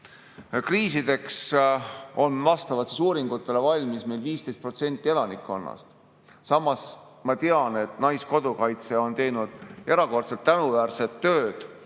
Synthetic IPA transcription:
kriːsid̪̥e̞ks | o̞nvɑst̪ɑvɑt̪sesuːɾiŋɡ̥ut̪ˑːe̞le̞vɑlʲmismejlviːst̪e̞st̪̚pro̞t̪se̞nʲt̪ʲːˑie̞lɑnikˑːo̞nːɑ̰st̪ | sɑmːɑs | mɑt̪e̞ɑne̞t̪nɑjsko̞d̪̥ukɑjt̪se̞o̞nt̪e̞jnud̪̥e̞ɾɑko̞rt̪selt̪ːænuvæːɾse̞t̪ːøːd̪̥

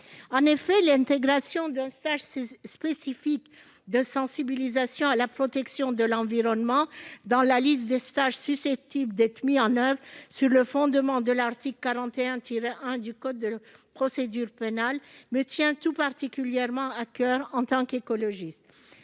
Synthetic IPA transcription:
ɑ̃nefɛlɛ̃t̪eɡʁasjɔ̃d̪ɛ̃st̪aʒspesifik | d̪əsɑ̃sibilizasjɔ̃alapχɔt̪ɛksjɔ̃d̪əlɑ̃viʁɔnmɑ̃d̪ɑ̃lalist̪̚d̪est̪aʒsysɛp̚t̪ibld̪ɛt̪χmiɑ̃nœvʁsyʁləfɔ̃d̪əmɑ̃d̪əlaʁt̪iklkaʁɑ̃t̪eɛ̃t̪iʁeʔɛ̃d̪ykɔːəpχɔsed̪yʁpenalmət̪jɛ̃t̪upaʁt̪ikʲyljɛʁmɑ̃akœʁɑ̃t̪ɑ̃kekɔlɔʒist̪

